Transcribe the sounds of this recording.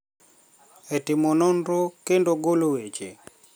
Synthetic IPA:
etɪmɔnɔnɾokendoɡolowet͡ʃḛ

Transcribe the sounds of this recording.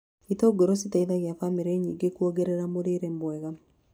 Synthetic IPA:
itoːɡoɾositaiðaɣjafamiɾeɲiɡekuoɡeɾeɾamoɾiɾembwɛɣa

